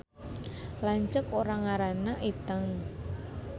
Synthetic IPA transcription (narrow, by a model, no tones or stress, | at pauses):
laɲt͡ʃəkoɾaŋaɾanaʔit̪əŋ